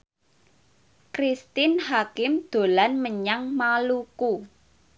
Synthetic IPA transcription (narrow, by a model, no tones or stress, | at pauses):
kɾist̪ɪnhakɪmd̪̥o̤lanməɲaŋmaluku